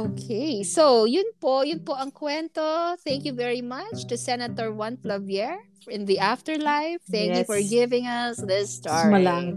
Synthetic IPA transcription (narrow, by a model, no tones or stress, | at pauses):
ʔokʰesowjʊnpojʊnpoʔɐŋkwɛnt̪oθɛ̃ŋkjuvɛɹimɐt͡ʃt̪ʊsɛnɐt̪ɔɹwɐ̃nflɐvjɛɹ | ɪ̃nðiʔaft̪ɛɹlajfθɛ̃ŋjufɔɹɡɪvɪ̃ŋɐsðɪst̪aɹmɐlaŋ